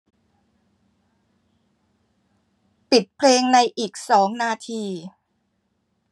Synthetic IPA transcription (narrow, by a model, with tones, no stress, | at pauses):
pi˨˩t̪̚pʰleː˧ŋna˧jʔiː˨˩k̚sɔː˩˦ŋnaː˧t̪ʰiː˧